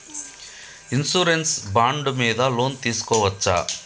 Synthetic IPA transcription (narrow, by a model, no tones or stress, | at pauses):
insuɾensbaːɳɖumiːd̪ɐlo̞ːnt̪iːsu̥kɔːʋɐt͡ʃːa̰